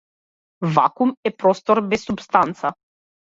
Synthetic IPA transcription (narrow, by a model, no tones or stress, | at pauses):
va̰kumɛpɾɔst̪ɔɾbɛsːupst̪ant̪sa